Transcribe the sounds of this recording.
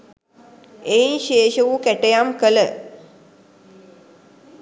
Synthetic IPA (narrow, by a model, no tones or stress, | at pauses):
einʃeːʃəʋukæʈəjamkələ